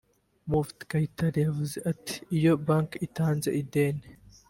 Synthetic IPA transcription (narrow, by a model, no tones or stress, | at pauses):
muːft̪kɐjt̪ːɐɾɪɐvzɪʔɐt̪ːɪ̥ɪjɔbaːŋkɪt̪ːaːnzɐ̰ʔɪd̪eːn